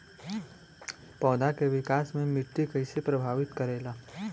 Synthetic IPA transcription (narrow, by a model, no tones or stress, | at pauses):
pɔːd̪akeʋɪkaːsmẽmɪʈːikɐɪsepɾɐbʱaːʋɪt̪kɐɾeːlaː